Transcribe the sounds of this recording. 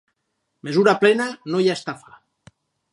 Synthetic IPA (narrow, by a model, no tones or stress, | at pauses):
mezuɾaplɛnanojaest̪afa